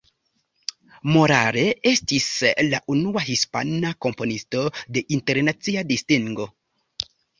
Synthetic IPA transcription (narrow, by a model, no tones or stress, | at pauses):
mo̞ɾa̰ɾe̞e̞stislaʔunuaɦispa̰nako̞mpo̞nisto̞de̞ʔinte̞ɾnat͡siadistiŋɡo̞